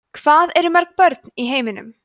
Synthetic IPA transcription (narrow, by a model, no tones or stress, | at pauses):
kʰv̥aːðɛɾɪmœɾ̥k̚pœɾt̪niɦeːjmɪnʏ̰m